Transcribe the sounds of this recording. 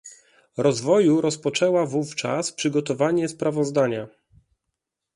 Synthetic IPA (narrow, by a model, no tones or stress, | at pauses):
ɾɔzvɔjuɾɔspɔt͡ʂɛwavuft͡ʂaspʂɘɡɔt̪ɔvaɲɛspɾavɔzd̪aɲa